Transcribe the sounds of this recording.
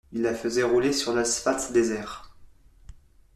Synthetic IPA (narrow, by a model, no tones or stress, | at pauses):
ilːafəzɛʁulesyʁlasfat̪d̪ezɛːʁ